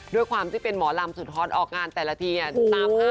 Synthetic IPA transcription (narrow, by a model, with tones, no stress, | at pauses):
du˥˩əjkʰwaː˧mt̪ʰiː˥˩pe˧nmɔː˩˦la˧msu˨˩t̪̚hɔː˨˥n̚ʔɔː˨˩k̚ŋaː˧nt̪ɛː˨˩la˧t̪ʰiː˧ni˧˥˩t̪a˦˥˩pː